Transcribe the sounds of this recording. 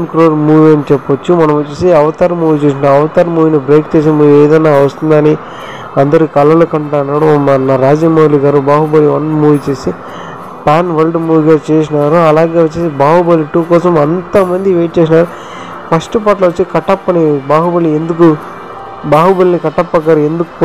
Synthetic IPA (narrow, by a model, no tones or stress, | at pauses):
nkɾoːɾmuːʋient͡ʃɛpːɐʋɐt͡ʃːumɐnɐmɐt͡ʃːeːsiɐʋɐt̪ɐːɾɐmːuːʋit͡ʃeːs̬inaːɐʋɐt̪ɐɾɐmːuːʋinibɾeːkt͡ʃeːs̬emuʋieːd̪ɐnːaːʋɐst̪und̪ɐni | ɐnd̪ɐɾukɐlːɐlukɐɳʈaːnːaːɽumːɐnaɾaːd͡ʒiːmɐʋliɡaːɾubaːɦubɐliʋɐnmuːʋit͡ʃeːsi | paːnʋɐlɖmuːʋiɡaːt͡ʃeːs̬inaːɾuɐlaːɡeʋɐt͡ʃːeːsibaːɦubɐliʈːuːkɔːsɐmɐnt̪ɐmɐnd̪iʋeːʈ̚t͡ʃeːs̬inaːɾu | fɐʂʈɐp̬aːʈlɐʋɐt͡ʃːikɐʈːɐpːɐnibaːɦubɐliend̪uk̬u | baːɦubɐlinikɐʈːɐpːɐkːaːɾuend̪uku̥pː